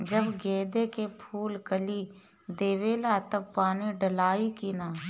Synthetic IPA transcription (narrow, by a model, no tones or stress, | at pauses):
d͡ʒəbɡeːd̪ekepʰuːlkəli | d̪eːʋeːlat̪ɐb̚paːniɖəlaːikinaː